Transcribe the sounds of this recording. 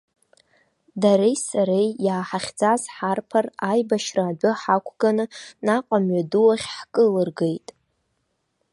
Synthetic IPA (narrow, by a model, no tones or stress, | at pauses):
daɾejsaɾejjaːħaχʲd͡zazħarpʰarajbaʃraːbʊħakʷʰɡ̥anɨnaqʷʼamɥaduwaχʲħkʼɨlɨrɡejtʼ